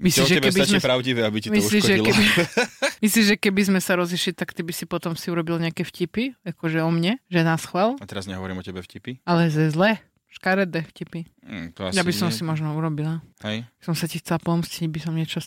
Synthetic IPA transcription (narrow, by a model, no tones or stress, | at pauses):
misliɔʒɛɛbɛbiazmɛpɾaʊɟiʋɛabicimisliʒɛilkɛbi | misliʒʒɛkɛbizmɛsaɾɔziʃlit̪akt̪ibisipɔt̪ɔmsiuɾɔbilɲɛakɛfcipiakɔʒɛɔmɲɛʒɛnasxʋalat̪ɛɾazɲɛɦɔʋɔɾiːmɔcɛbɛfcipialɛzɛzlɛː | ʃkaɾɛd̪ɛfcipit̪ɔa̰jabisɔmsimɔʒnɔuɾɔbilahɛjksɔmsacixt͡sɛlapɔmsciɟbisɔmɲɛt͡ʃɔ